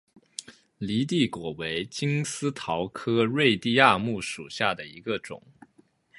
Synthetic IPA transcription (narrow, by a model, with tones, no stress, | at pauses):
li˧˥t̪̬i˥˩kwɔ˨˩we˧˥ɪt͡ɕi˥ŋsɹ̩˥t̪ʰɑ˧˥ʊkʰɤ˥ɻwe˥˧ɪt̪i˥˧a˥˧mu˥˩ʂṵ˨˩ɕja˥˩d̪ə˩i˧˥ɡə˧ʈ͡ʂʊ̰˨˩˦ŋ